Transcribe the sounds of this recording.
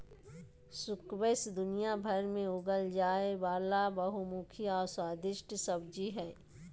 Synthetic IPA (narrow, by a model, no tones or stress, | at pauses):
sʊkwesd̪ʊnijabʱɐɾmẽʊɡəld͡ʒaːebaːlabəɦumuːkʰiɔːɾswaːd̪ɪʃʈsəbd͡ʒiɦɛː